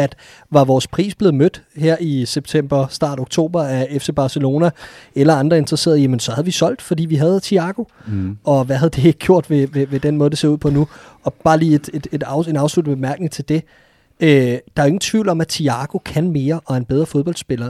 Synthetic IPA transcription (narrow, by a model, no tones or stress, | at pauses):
æd̥ | ʋɑ̈ʋɒːspʰʁḭːsb̥le̝ːð̞̩ˠmød̥heɐ̰iseb̥̚t͡sʰem̰b̥ɐsd̥ɑ̰̈ːɾ̥oɡ̥̚t͡sʰo̝̰ːb̥ɐæefse̝b̥ɑ̈ːselo̝ːnæelɐɑ̈nd̥ʁɐe̝nd̥ʁɐse̝̰ːɐð̞ˠjæmensɒ̽hæðˠʋisɒ̽l̰d̥fɒ̽d̥ḭːʋiɦæð̞ˠt͡sʰiɑ̈ɡ̥o̝ɒ̽ʋæɦæðˠd̥ee̝ɡ̥əɡ̥jo̝ɐ̰d̥ʋe̝ʋeʋe̝d̥enmɔːð̞ˠd̥ese̝ɐuð̰ˠpʰɒ̽nuɒ̽b̥ɑ̈ːliːe̝d̥e̝d̥e̝dɑʊe̝nɑ̈ʊslud̥̩b̥emæɐɡ̥ne̝ŋt͡sʰe̝ld̥e̝ | ød̥ɑ̈æɐe̝ŋn̩t͡sʰʋḭʊ̰lɒ̽mæt͡sʰiɑ̈ɡ̥o̝kʰænme̝ːɐʔɒ̽enb̥eð̞ˠʁɐfo̝ð̞ˠb̥ɒ̽ld̥sb̥e̝lɐ